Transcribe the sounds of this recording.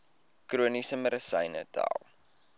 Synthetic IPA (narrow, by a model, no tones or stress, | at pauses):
kruənisəməɾəsəjnə̰ta̰ːlˠ